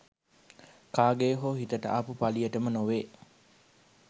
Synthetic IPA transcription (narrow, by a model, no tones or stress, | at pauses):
kaːɡeːɦoːɦit̪əʈə̰ʔɐpupaliəʈəmənoʋeː